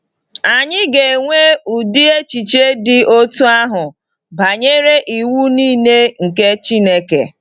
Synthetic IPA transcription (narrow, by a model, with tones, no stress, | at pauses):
a˨ɲɪ˦ɡe˨ŋʷe˦u˨di˦e˦t͡ʃi˨t͡ʃe˦dɪ˦o˦tu˦a˦ɦʊ˨ | ba˨ɲe˦ɾe˦ʔi˨wu˦niː˦˨ne˦ŋ̩˨ke˦t͡ʃi˦ne˦kḛ˨